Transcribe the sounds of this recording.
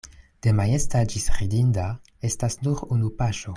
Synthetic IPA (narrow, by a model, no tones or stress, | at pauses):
d̥emajestad͡ʒisʁidinda | estasnuɾunupaʃo